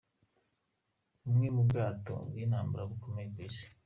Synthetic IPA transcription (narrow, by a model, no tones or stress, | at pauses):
umŋemubɡaːto̰winhaːmbuɾaβukomeɡise̥